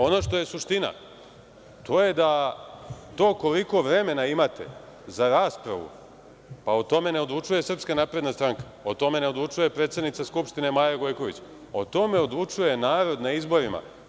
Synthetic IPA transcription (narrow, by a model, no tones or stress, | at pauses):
o̞no̞ʃt̪o̞je̞suʃt̪ina̰ | t̪ʰo̞je̞d̪a | t̪o̞ːko̞liko̞ʋɾe̞me̞naimat̪e̞̰ | zaɾaːspɾa̰ʋṵ | paot̪o̞me̞neo̞d̪lˠut͡ʂuje̞sr̩pskanaːpɾe̞d̪nast̪ɾaŋkḁot̪o̞me̞ne̞od̪lut͡ʂuje̞pɾet̪sed̪nit̪saskupʂt̪ine̞maːjaɡo̞jko̞ʋḭt͡ɕ | o̞t̪o̞me̞o̞d̪lˠut͡ʂuje̞naːɾo̞d̪naizbo̞ɾima̰